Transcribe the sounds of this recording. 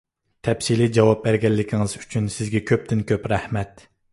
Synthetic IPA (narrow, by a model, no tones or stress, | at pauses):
t̪ʰɛpsilid͡ʒɑwɑp̚bæɾɡʲɛlːɪkʲʰɪŋɨzy̥t͡ʃʰynsɪzɡʲɛkʲʰøp̚t̪ʰɪnkʲʰøpɾæhmɛt̪